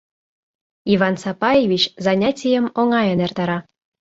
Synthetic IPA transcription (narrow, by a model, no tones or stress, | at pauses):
ivɑnsɑpɑjevʲit͡ɕzɑnʲatʲijə̆moŋɑjənert̪ɑɾɑ